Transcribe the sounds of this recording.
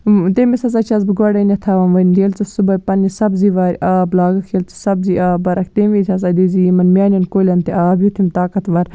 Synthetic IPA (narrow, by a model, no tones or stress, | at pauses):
t̪emisɐsɐt͡ʃʰɐz̬bɨɡɐɽɐnʲɐt̪ʰaʋɐnʋɐnd̪ijɐlt͡sɐsubɐpɐnisɐbziʋaːɾʲʔaːblaːɡɐkʰjɐlt͡sɨ̥sɐbziaːbɐɾʔɐkʰt̪emʋit̪ʲʰɐsɐd̪izimɐnmʲaːnʲɐnkolʲɐnt̪eʔaːbjut̪ʰimt̪aːkɐt̪ʋɐɾʲ